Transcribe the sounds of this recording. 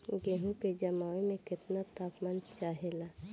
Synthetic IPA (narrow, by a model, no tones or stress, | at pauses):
ɡeːɦũked͡ʒɐmaːʋemẽkɪt̪nat̪aːpmant͡ʃaːɦelaː